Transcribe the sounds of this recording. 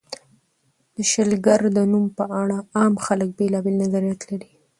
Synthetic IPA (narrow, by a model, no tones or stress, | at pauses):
d̪̥əʃɪlɡaɾd̪ənumpəʔaɽaɑmxalək̚belɑbelnazaɾijat̪laɽi